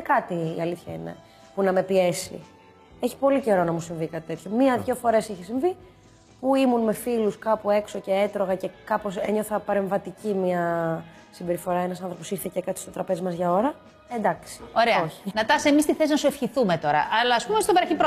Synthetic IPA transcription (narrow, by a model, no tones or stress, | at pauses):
ekɐt̪ḭːɐliθçɐinḛ | punɐme̞pie̞sḭ | eçi̥po̞lice̞ɾo̞nɐmusiɱvikɐt̪i̥t̪e̞t̪ço̞miɐðʝo̞fo̞ɾe̞siçisiɱvi | puimunme̞filuskɐpue̞kso̞ce̞et̪ɾo̞ɣɐce̞kɐpo̞sḛɲoθɐpɐɾe̞ɱvɐt̪icimiɐ | sibe̞ɾifo̞ɾɐenɐsɐnθɾopo̞siɾθecekɐt̪i̥st̪ot̪ɾɐpe̞zimɐzʝɐo̞ɾɐ | end̪ɐksi̥oɾeɐoçi̥nɐt̪ɐsemist̪iθesinɐsuefçiθumet̪o̞ɾɐ̰ʔɐlɐːspumest̪obɐɾɐçipɾo